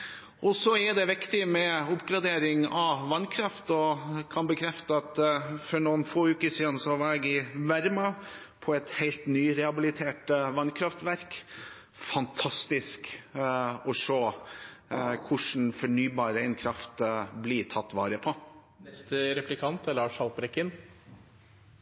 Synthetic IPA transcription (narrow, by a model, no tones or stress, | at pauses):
ʔɔsɔæɾd̪ɛʋɪkt̪ɪmɛʊpɡɾɑd̪eːɾɪŋɑʋʋɑnkʰɾɑft̪ɔkʰɑnbəkʰɾɛft̪əɑt̪fɔɳuːnfoːʉːkəsiːd̪n̩sɔʋɑɾɛɡɪʋæɾmɑ | pʰɔɛt̪hɛɪlt̪nyːɾɛhɑbɪlɪt̪ʰeːʈʋɑnkʰɾɑft̪ʋæɾk | fɑnt̪ʰɑst̪ɪsk | ɔʂoː | kʰʊʂn̩fɔɳyːbɑːɾəæɪnkʰɾɑft̪bliːt̪ʰɑt̪ːʋɑːɾəpʰɔ | ɛst̪əɾɛplɪkʰɑnt̪lɑːʂhɑlpɾɛkːɪn